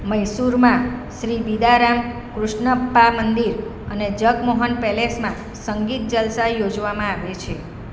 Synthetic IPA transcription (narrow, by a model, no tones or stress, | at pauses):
məjsuɾmãʃɾibid̪aɾam | kɾʊʃɳəpːamənd̪iɾ | əned͡ʒəkmoɦənpɛlesmã | səŋɡit̪̚d͡ʒəlsajod͡ʒʋamãaʋet͡ʃʰe